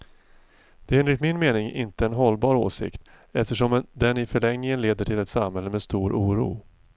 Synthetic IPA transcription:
d̪̥ɛɛnɾɪkt̪mɪnmeːnɪŋɪ̰nt̪əɛnɦɔlːbɑːɾo̰ːsɪ̰kt̪ | ɛft̪əʂɔmd̪ɛnɪfœɭɛŋnɪŋənleːd̪əʈʰɪlɛt̪samɦɛlːəmɛst̪uːɾʔuːɾṵː

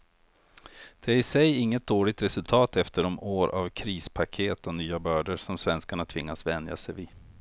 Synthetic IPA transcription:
d̪̥ɛæɾɪsɛjɪŋːət̪̚d̪oːɭɪɡ̚t̪ɾɛsɵlt̪ʰɑːt̪ɛft̪əɖɔmoːɾʔa̰vkʰɾiːspʰakʰeːt̪ɔnyːabœːɖəɾʂɔmsvɛnskaɳat̪ʰvɪŋːasvɛnd̪ja̰sɛjvɪ

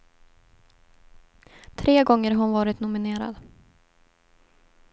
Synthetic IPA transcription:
t̪ʰɾʔeːɡɔŋːəɾɦʊnvɑːɾɪt̪nʊmɪneːɾa̰d̪

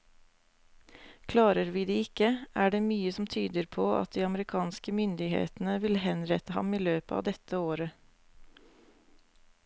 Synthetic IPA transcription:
kʰlɑːɾəɾʋiːd̪iːɪkəʔæːɖeːmyːəsɔmt̪ʰyːd̪əɾpʰoːɑ̰t̪̚d̪iːɑməɾɪkʰɑːnskəmʏnd̪ɪhḛːt̪n̩əʋɪlhɛnɾɛt̪əhɑ̰miːløːpəɑ̰ːd̪ɛt̪ʰəoːɾə

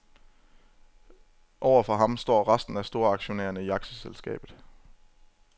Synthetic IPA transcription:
ʔɒʊ̰ɐfɒɦɑ̈msd̥ɒ̰ːʁɑsd̥n̩æsd̥o̝ɐɑ̈ɡ̥ɕo̝nḛːɐnəiɑ̈ɡ̥səselsɡ̥ɛ̰ːb̥ð̩ˠ

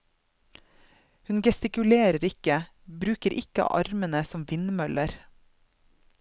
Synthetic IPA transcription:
hʉnɡɛst̪ɪkʉleːɾəɾɪkə | bɾʉːkəɾʔɪkəɑ̰ːʔɑɾmənəsɔmʋɪnmœləɾ

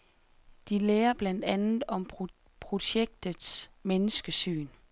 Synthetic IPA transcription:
d̥ileːɐb̥læn̰d̥ænð̩ˠɒ̽mʰ | pʰʁo̝ɕeɡ̥̚d̥ð̩ˠsmenəsɡ̥əsy̰ːn

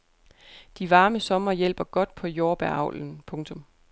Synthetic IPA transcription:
d̥iʋɑ̈ːməsɒ̽mɐjel̰b̥ɐɡ̥ɒ̽d̥̚pʰɒ̽jo̝ːb̥æɐ̰ɑ̈ʊln̩pʰɔ̽ŋt͡sʰɔ̽m

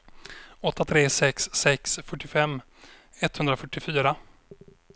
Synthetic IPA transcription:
ɔt̪ːat̪ʰɾeːsɛksːɛksfœʈːɪfɛmː | ɛt̪hɵnd̪ɾafœʈːɪfyːɾa

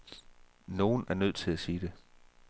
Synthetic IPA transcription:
no̝ːn̩æɐnøð̰ˠt͡sʰe̝læsiːd̥e̝

